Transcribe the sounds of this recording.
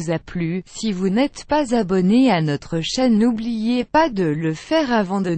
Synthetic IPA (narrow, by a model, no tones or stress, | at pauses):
zaplysivunɛt̪pazabɔneanɔt̪χəʃɛnːublijepad̪ələfɛʁavɑ̃d̪ə